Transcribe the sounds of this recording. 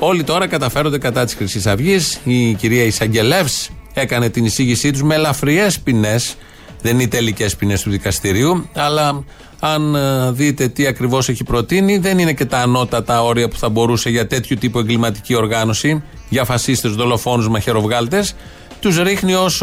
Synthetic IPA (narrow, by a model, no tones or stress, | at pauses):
o̞lit̪o̞ɾɐkɐt̪ɐfe̞ɾond̪e̞kɐt̪ɐt̪isɾisisɐvʝisiciɾiɐisɐɲɟe̞le̞fse̞kɐne̞t̪inisiʝisit̪uzme̞lɐfɾie̞spine̞s | ðe̞nit̪e̞lice̞spine̞st̪uðikɐst̪iɾiuɐlɐː | nðit̪e̞t̪iɐkɾivo̞se̞çipɾo̞t̪iniðe̞nine̞ce̞t̪ɐːno̞t̪ɐt̪ɐo̞ɾiɐpu̥θɐbo̞ɾuse̞ʝɐt̪e̞t̪çut̪ipue̞ŋɡlimɐt̪i̥cio̞ɾɣɐno̞si | ʝɐfɐsist̪ezðo̞lo̞fo̞nuzmɐçe̞ɾo̞vɣɐlt̪e̞s | t̪uzɾixnio̞s